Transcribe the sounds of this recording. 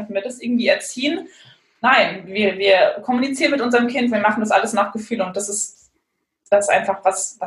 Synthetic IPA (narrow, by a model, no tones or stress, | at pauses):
ntn̩viːɐdasʔɪɐɡŋ̩tv̥iːɛɐt͡siːən | naɪnviːɐviːɐkʰɔmunit͡siːʁənmɪtʔʊnzəʁəmkʰɪntviːɐmaχn̩dasʔa̰ləsnaːχɡ̥əfyːlʊnt̚d̥asɪs | d̥asɪstʔa̰ɪnfaχv̥asva